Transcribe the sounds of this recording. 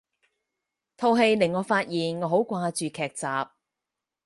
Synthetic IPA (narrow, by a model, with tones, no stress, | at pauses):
t̪ʰo˧wɦe˧jlɪ˨˩ŋɔː˨˧faː˧t̚jiː˨nŋɔː˨˧ɦo˨˥wkʷaː˧t͡ʃyː˨kʰɛː˨k̚t͡saː˨p̚